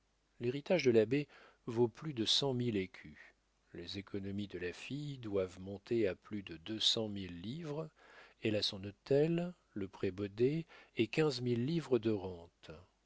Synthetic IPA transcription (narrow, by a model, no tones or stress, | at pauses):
leʁit̪aʒd̪əlabe | voplyd̪əsɑ̃milekʲʰy | lezekɔnɔmid̪əlafijd̪wavmɔ̃t̪ʰeaplyd̪əd̪øsɑ̃milːivʁɛlasɔ̃not̪ɛlː | əpχebɔd̪eːkʲɛ̃zmilːivʁəd̪əʁɑ̃t̪